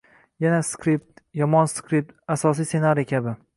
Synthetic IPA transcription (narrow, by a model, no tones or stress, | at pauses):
janaskɾip̚t̪jɒmɒnskɾip̚t̪asɒsijse̞naɾiekʲʰabɪ